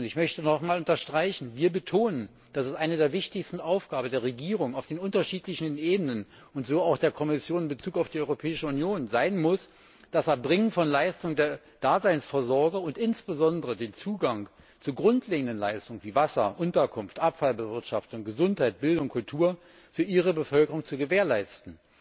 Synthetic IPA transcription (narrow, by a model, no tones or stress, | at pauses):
ʊntɪçmœçtənɔχmaːlʊntɐʃtʁ̥aɪçn̩viːɐbətʰoːnən | d̥asɛstʔaɪnədeːɐvɪçtɪçstn̩ʔaʊfɡ̥aːbən̩deːɐʁeɡiːʁ̞ʊŋaʊfd̥eːnʔʊntɐʃiːtlɪçn̩ʔeːbənən | ʊntz̥oːaʊxd̥eːɐkʰɔmɪsjoːnɪnbət͡suːkaʊfd̥iɔʏʁopʰɛːɪʃəʊnjoːnzaɪnmʊs | d̥asaɐbʁɪŋənfɔnlaɪstʊŋdeːɐ | d̥aːzaɪnsfɛɐzɔɐɡɐʊntʔɪnsb̥əzɔndəʁədeːnt͡suːɡaŋ | t͡suɡʁʊntleːɡŋ̩dənla̰ɪstʊŋənviːvasɐ̰ʔʊntɐkʰʊnftʔapfalbəvɪɐtʃaftʊŋɡəzʊnthaɪt̚b̥ɪldʊŋkʰʊltʰuːɐ | fyːɐʔiːʁ̞əbəfœlkəʁʊŋt͡suɡəveːɐlaɪstn̩